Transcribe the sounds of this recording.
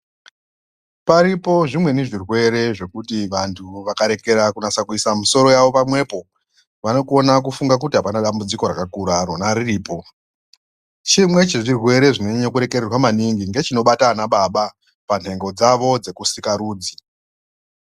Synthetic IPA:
paɾipo̞ʐimwe̞niʐirwe̞ɾe̞ʐe̞kutiʋantʰuʋakaɾe̞ke̞ɾakunasakuisamuso̞ɾo̞jaʋo̞pamwe̞po̞ | ʋano̞kuo̞nak̬ufuŋɡak̬utiɦapanaɗambud͡ziko̞ɾakakuɾaːɾonaɾiriːpo̞ | t͡ʃimwe̞t͡ʃeʐirwe̞ɾe̞ʐineɲokuɾe̞kererwamaniŋɡiŋɡe̞t͡ʃino̞ɓatanaɓaɓa | pan̤e̞ŋɡo̞d͡zaʋo̞d͡ze̞kusikaɾuːd͡zi

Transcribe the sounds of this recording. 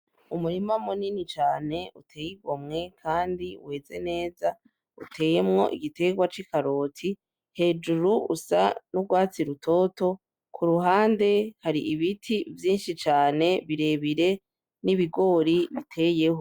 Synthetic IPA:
umuɾimamuninit͡ʃaːne̞utʰe̞ːjiɡwomŋe̞kʰaːndḭwe̞ːze̞̰ne̞ːza | ṵtʰe̞ːje̞mŋo̞̰ʔḭɡite̞ɡwat͡ʃikaɾoːtʰi | he̞ːd͡ʒuɾuṵsa̰nuɡwaːt͡siɾutʰo̞ːto̞ | kʰuɾuɦaːnde̞haɾiʔiβitʰivjiːnʃit͡ʃaːne̞βiɾe̞βiɾe | niβiɡo̞ːɾiβitʰe̞ːje̞ho

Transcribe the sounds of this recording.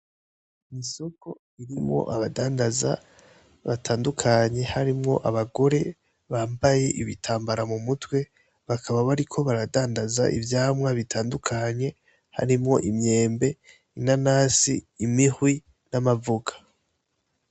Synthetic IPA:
miso̞ko̞ | iɾimŋo̞̰ʔaβadaːndaza̰ | βatʰaːndukʰaɲe̞haɾimŋo̞̰ʔaβaɡo̞ɾe̞ | βaːmbaje̞ʔiβitʰaːmbaɾamumutwe̞ | βakʰaβaβaɾikʰo̞βaɾadaːndaza̰ʔḭvjaːmŋaβitʰaːndukʰaɲe̞ | ha̰ɾimŋo̞ʔimɲe̞ːmbe̞ | inanaːsḭːmihwi | namavuɡḁ

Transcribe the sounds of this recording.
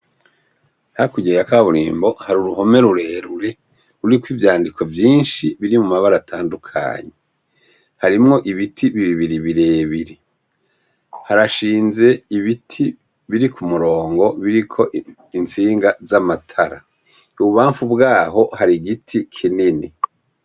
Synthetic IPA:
hakuɟeakaβuɾḭːmbo̞haɾuɾuho̞me̞ɾuɾe̞ɾuɾe̞ | uɾikwivjaːndikʰo̞vjiːnʃiβiɾimumaβaɾatʰaːndukʰa̰ɲe | haɾimŋo̞ʔiβitʰiβiβiβiɾiβiɾeːβiɾi | haɾaʃiːnze̞iβitʰi | βiɾikʰumuɾo̞ːŋɡo̞βiɾikʰo̞ | int͡siːŋɡazamatʰaɾa̰ | uβuβaːɱfubɡaːɦo̞haɾiɡitʰikʰinini

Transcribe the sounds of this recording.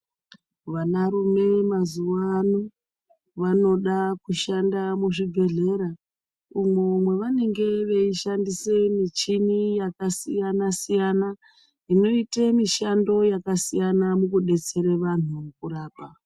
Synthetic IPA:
ʋanaɾume̞mazuwanu | ʋano̞ɗakuʃandamuʐiɡʱe̞ɮe̞ɾa | umomwe̞ʋane̞ŋɡe̞ʋeiʃandise̞mit͡ʃinijakasijanasijana | ino̞itemiʃando̞jakasijanamukuɗe̞t͡se̞ɾeʋan̤umukuɾaːpa

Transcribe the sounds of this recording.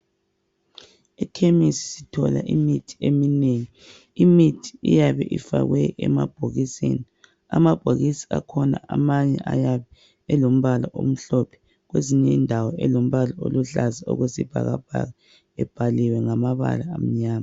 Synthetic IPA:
ɛkʰemisi̥sitʰɔlaʔimitʰi̥emineŋi | imitʰi̥ijaβɛʔifa̰ɣwɛɛmab̥̚ʱoɣisḛni | amab̥ʱoɣisi̥akʰɔnaʔamaɲɛʔajaβɛ | ɛlom̩βalaʔom̩ɬɔpʰɛ̥ | ɣweziɲɛndʱawɔʔɛlom̩βalaoluɬazao̰ɣesib̥ʱa̰ɣab̥ʱa̰ɣa | ɛb̥ʱaliwɛŋamaβa̰laːm̩ɲaːma

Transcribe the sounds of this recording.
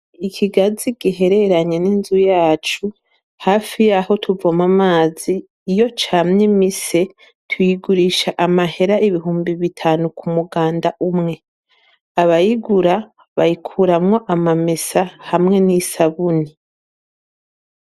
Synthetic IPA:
ikʰiɡaziɡ̥iɦe̞ɾe̞ɾaɲe̞ninzujaːt͡ʃu | haːfijaho̞tʰuvomamaːziː | jo̞t͡ʃaːmɲimise̞ | tʰujiɡuɾiʃaʔamahe̞ɾaiβiɦuːmbiβitʰaːnukʰumuɡaːndaʔumŋe̞ | aβajiɡuɾa | βajikʰuɾamŋo̞ʔamamesahamŋe̞nisaβuni

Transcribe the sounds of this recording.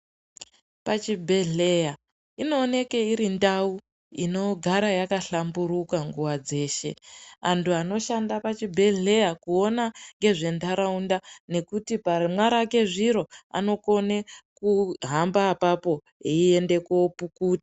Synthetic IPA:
pat͡ʃibʱe̞ɮe̞ja | ino̞ːne̞keiɾindau | ḭno̞ɡʱaɾajakaɬambuɾukaŋɡuwad͡ze̞ːʃe̞̰antuano̞ʃandapat͡ʃibʱe̞ɮe̞jakuo̞naŋɡe̞ʐe̞ndʱaɾaundane̞kutipamwaɾake̞ʐiɾo̞a̰no̞ko̞nekuɦambaːpapo̞ | iie̞nde̞keopukuːtḁ

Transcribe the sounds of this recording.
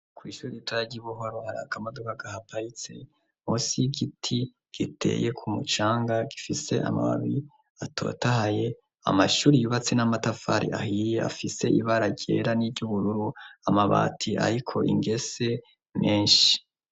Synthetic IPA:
kwiːʃuːɾiitwaɟiβuɦoɾohaɾa̰kamadokaɡahapait͡se̞ | musiɡitʰi | ɡ̥itʰe̞̰je̞kʰumut͡ʃaːŋɡaɡifise̞̰ʔa̰ma̰βa̰βi | atʰo̞̰ːtahaje̞ | a̰maʃuːɾijuβat͡senamatafaɾʔḭʔa̰hijea̰fise̞iβaɾaɟḛɾanivɟuβuɾuɾuamaβa̰ːtʰiʔa̰ɾikʰo̞ʔḭŋɡe̞se̞ | meːnʃi̥

